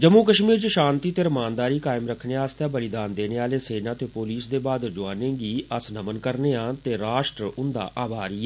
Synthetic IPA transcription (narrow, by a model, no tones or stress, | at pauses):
d͡ʒəmuːkəʃmiːɾt͡ʃəʃãːnt̪iːt̪eːɾəmaːnd̪aːɾiːkaːɪmɾəkʰːneːaːst̪jãːbəlɪd̪aːnd̪eːneːaːleːseːnãːt̪eːpoːliːsd̪eːbaːd̪d͡ʒʊaːnẽːɡiːəsnəmənkəɾneːãːt̪eːɾaːʃʈɾʊnd̪a̰ːʔaːbaːɾiːɛ